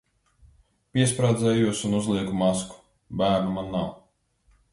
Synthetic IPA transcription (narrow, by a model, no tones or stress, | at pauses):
pʲiɛspɾaːd̪zɛːjuɔsunuzlˠiɛkumasku̥ | bæːɾnumanːaw